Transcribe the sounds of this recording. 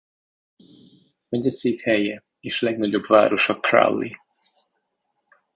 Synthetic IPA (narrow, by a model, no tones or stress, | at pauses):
mɛɟɒseːt̪hɛjɛ | eːʃlɛɡnɒɟo̞bva̰ːɾo̞ʃɒkra̰lːi